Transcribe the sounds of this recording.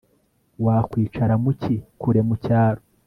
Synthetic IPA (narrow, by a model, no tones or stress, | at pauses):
waːkwiːt͡ʃaɾamucikʰuɾe̞mucaːɾo